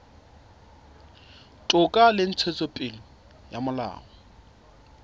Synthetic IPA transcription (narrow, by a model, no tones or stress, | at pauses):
tʼʊkʼalɪn̩t͡sʰet͡sʼopʼɪlɔ | jamʊla̰ːŋɔ